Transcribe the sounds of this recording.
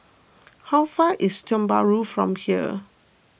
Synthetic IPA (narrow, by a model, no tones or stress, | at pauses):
haʊfaʔistɔ̃mba̰ɹufɹɔ̰̃mhiə̰